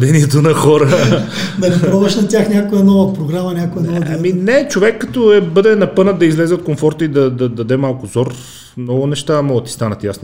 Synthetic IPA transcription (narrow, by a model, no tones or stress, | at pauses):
d̪ɛniɛt̪onɐxɔɾənɐɡiɾɔdɐʃnɐt̪ʲjaxnʲakoɛnɔvɐpɾoɡɾamɐnʲakojɛnɔvɐd̪iminɛt͡ʃovɛkːɐt̪ɔɛbɤd̪ɛnɐpɤnət̪d̪ɐizlɛzɛot̪koɱfɔɾt̪əid̪ɐd̪ɐd̪ɐd̪ɛmalˠkʊzɔɾ | mnɔɡʊnɛʃt̪amɔɡət̪i̥st̪anət̪jasni